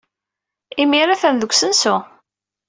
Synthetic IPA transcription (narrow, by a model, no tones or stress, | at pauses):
imiɾæθænðəɡʷsənsʊ